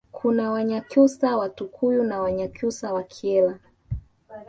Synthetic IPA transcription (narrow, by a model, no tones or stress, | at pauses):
kʰunawaɲakusawatukʰujunawaɲakusawakʰɛla